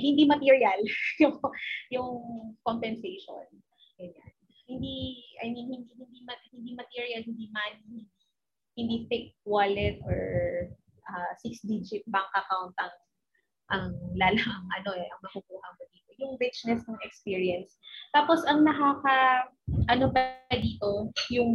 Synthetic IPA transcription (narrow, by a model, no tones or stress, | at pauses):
hɪnd̪imɐt̪iːɹjɐljʊŋjʊŋkompɛnsɛjʃo̰n | ɐjan | hɪnd̪iʔɐ̰jminhɪnd̪ihɪnd̪imɐhɪnd̪imɐt̪iɹjɐlhɪnd̪imanih | hɪnd̪iθɪkwalɛt̪ʔɔ̰ɹ | ʔɐsiksd̪id͡ʒɪt̪̚bɐŋkɐkawnt̪ɐŋ | ʔɐŋlaːlɐhɐŋʔɐno̞ʔɛʔɐŋmɐkʊkuːhɐmod̪iːt̪ojʊŋɾɪt͡ʃnɛsnɐŋɛkspiːɹiɐnst̪aːposɐŋnɐkakɐʔɐnobɐd̪iːt̪o̞jʊŋ